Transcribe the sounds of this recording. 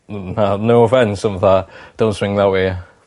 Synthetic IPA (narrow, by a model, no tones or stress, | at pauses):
nanovɛnsə̃məðad̥õnsɹɪ̃ŋðawe